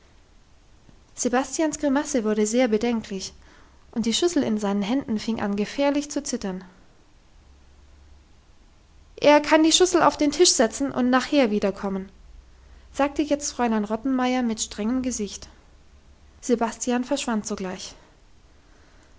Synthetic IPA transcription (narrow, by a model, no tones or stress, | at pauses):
z̥ebastijansɡ̥ʁimasəvʊɐɾəzeːɐbədɛŋkʰlɪç | ʔʊnt̚d̥iːʃʏsl̩ɪnzaɪnənɦɛndn̩fɪŋʔa̰nɡəfɛːɐlɪçt͡sut͡sɪtɐn | ʔeːɐkʰandiːʃʏsl̩a̰ʊfd̥eːntʰɪʃz̥ɛt͡sn̩ʔʊ̰ntnaːχheːɐviːdɐkʰɔmən | z̥aːk̚təjɛt͡stfʁ̥ɔʏlaɪnʁɔtn̩maɪɐmɪtʃtʁ̥ɛŋəmɡəzɪçt | z̥ebastʰijanfɛɐʃv̥antz̥oːɡlaɪç